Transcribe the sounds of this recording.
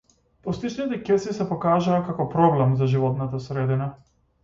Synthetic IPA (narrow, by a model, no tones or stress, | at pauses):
pɔst̪it͡ʃnit̪ɛkɛsisɛpɔkaʒaːkakɔpɾɔblɛmzaʒivɔt̪nat̪asɾɛd̪ina